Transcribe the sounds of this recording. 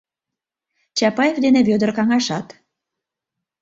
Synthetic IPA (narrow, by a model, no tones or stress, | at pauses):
t͡ɕɑpɑjevd̪eneβød̪ə̆rkɑŋɑʃɑt̪